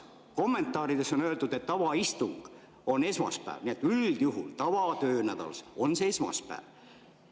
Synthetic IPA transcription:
ko̞mːe̞nt̪ːˑɑːɾid̪e̞so̞nøːld̪ud̪e̞t̪ːɑvɑist̪uŋɡ̥ | o̞ne̞smɑ̰spæ̰ːvniet̪ːyld̪̥juɦult̪ɑvɑt̪øːnæd̪̥ɑ̰lso̞nseesmɑ̰spæ̰ːv

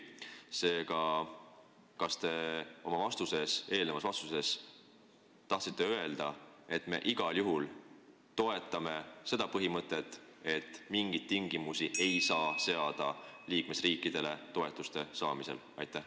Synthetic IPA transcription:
se̞ːɡ̥ɑ | kɑst̪e̞o̞mɑvɑst̪use̞se̞ːlnevɑsvɑst̪use̞s | t̪ɑht̪sit̪ːˑeøe̞ld̪̥ɑe̞t̪ːˑme̞̰ʔiɡ̥ɑljuɦul | t̪o̞e̞t̪ːˑɑme̞se̞d̪̥ɑpɤɦimɤt̪ːˑe̞t̪ːˑe̞t̪ːˑmiŋɡ̥it̪̚ːiŋɡ̥imusiʔe̞jsɑːse̞ɑd̪̥ɑliːkme̞sriːkːˑid̪̥e̞le̞t̪o̞e̞t̪ˑːust̪e̞sɑːmise̞̰l | ɑjt̪ˑːæh

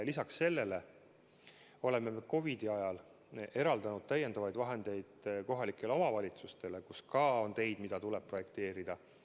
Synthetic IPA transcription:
lisɑksːe̞lːe̞le̞ | o̞le̞mːe̞meko̞vid̪̥iɑjɑl | e̞ɾɑld̪ɑnud̥̪̚t̪æje̞nd̪ɑvɑjd̪vɑɦe̞nd̪̥e̞jd̪̥ko̞ɦɑlikˑːe̞leo̞mɑvɑlʲit̪sust̪e̞lekuskɑːo̞nt̪e̞jd̪mid̪̥ɑt̪uleb̥̚pro̞je̞kt̪e̞ːɾid̪̥ɑ

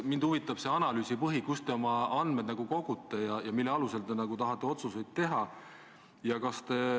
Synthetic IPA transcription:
mind̪̥uvit̪ːˑɑb̥se̞ɑnɑlyːsipɤɦikust̪e̞o̞mɑɑnd̪med̪nɑɡ̥uko̞ɡ̥ut̪ːˑe̞jɑjɑmilːeɑluse̞lt̪e̞nɑɡ̥ut̪ɑɦɑt̪ːˑe̞o̞t̪suse̞jd̪̥̚t̪e̞ɦɑ | jɑkɑst̪e̞

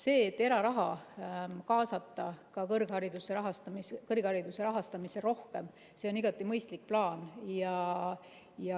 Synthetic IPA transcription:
se̞ːt̪ːe̞ɾɑɾɑɦɑ | kɑːsɑt̪ˑːɑkɑkɤrɡ̥hɑɾid̪̥useɾɑɦɑst̪ɑmiskɤrɡ̥hɑɾid̪̥use̞ɾɑɦɑst̪ɑmise̞ro̞hke̞m | se̞o̞niɡ̥ɑt̪ːˑimɤjst̪lik̚plɑːnjɑ | jɑ

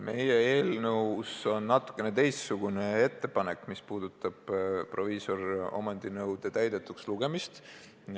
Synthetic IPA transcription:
mʔe̞jee̞ːlnɤwso̞nːɑt̪ːˑu̥kːˑe̞ne̞t̪e̞jssuɡ̥une̞e̞t̪ːe̞pɑne̞kːˑmispuːd̪̥ut̪ːˑɑb̥pro̞viso̞ro̞̰mɑnd̪̥inɤwd̪̥e̞t̪æjd̪̥e̞t̪ːˑuksluɡ̥e̞mist̪

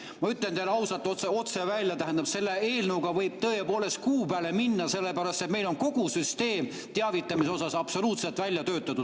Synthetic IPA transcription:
mɑyt̪ˑlent̪eleɑwsɑlt̪ːoeo̞t̪se̞vælʲjɑt̪æɦend̪ɑb̥se̞lːee̞ːlnəwɡɑvɤjb̥̚t̪ɤːepo̞ːle̞st̪̚kuːpæːle̞minːɑse̞lːepæɾɑst̪et̪me̞jlo̞nko̞ɡ̥usyst̪e̞ːm | t̪eɑvit̪ːˑɑmis̬eo̞sɑsɑbso̞luːt̪selt̪ˑvælʲjɑt̪ø̞ːt̪ːˑɑt̪u

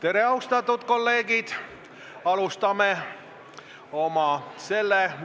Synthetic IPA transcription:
t̪e̞ɾe̞ɑust̪ɑt̪ːˑud̪̥ko̞lːe̞ːɡid̪̥ | ɑlust̪ɑme | o̞mɑse̞lːe

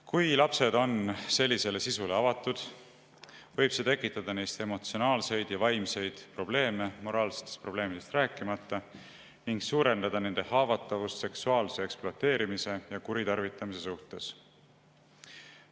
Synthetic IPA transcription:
kujlɑpse̞d̪o̞nse̞lʲːise̞le̞sisule̞ɑvɑt̪ːˑud̪̥ | vɤjb̥se̞ːt̪e̞kːˑit̪ːˑɑd̪̥ɑne̞jst̪e̞mo̞t̪sio̞nɑːlse̞jd̪̥jɑvɑjmse̞jd̪̥pro̞b̥le̞ːme̞mo̞ɾʔɑːlse̥t̪ːˑest̪pro̞b̥le̞ːmid̪̥e̞st̪ræːkːˑimɑt̪ˑːɑ | niŋɡsuːɾe̞nd̪ɑd̪̥ɑne̞nd̪̥e̞hɑːvɑt̪ːˑɑvust̪se̞ksuɑːlse̞eksploɑt̪e̞ːɾimise̞jɑkuɾit̪ɑrvit̪ːˑɑmise̞suht̪e̞s

